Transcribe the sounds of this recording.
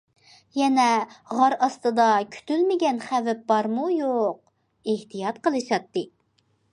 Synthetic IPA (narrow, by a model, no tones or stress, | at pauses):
jɛnɛʁɑɾɑst̪ɨd̪ɑkʲʰy̥t̪ylmɪɡʲɛnχævɛp̚bɑɾmujoq̚ | eht̪ijɑt̪qəlˠɨʃɑt̪ːɨ